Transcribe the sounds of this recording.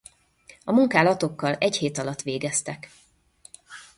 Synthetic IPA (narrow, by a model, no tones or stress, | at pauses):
ɒmuŋkaːlɒt̪o̞kːɒlɛcheːt̪ɒlɒt̪ːʋeːɡɛst̪ɛk